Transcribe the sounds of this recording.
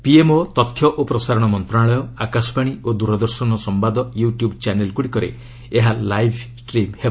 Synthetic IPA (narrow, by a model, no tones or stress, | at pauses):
piemot̪ɔt̪ʰːjɔʔopɾɔsaɾɔɽ̃ɔmɔnt̪ɾaɭɔjɔakasɔ̥paɽ̃iʔod̪uɾɔd̪ɔɾsɔnɔsɔmbad̪ɔjuʈjubt͡ʃanelkuɽikɔɾḛ | eɦalajbʱsʈɾimheb